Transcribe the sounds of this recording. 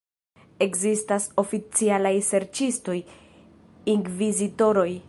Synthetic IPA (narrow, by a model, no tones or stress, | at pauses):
e̞kzistaso̞fit͡sialajse̞ɾt͡ʃisto̞j | iŋɡvizito̞ɾo̞j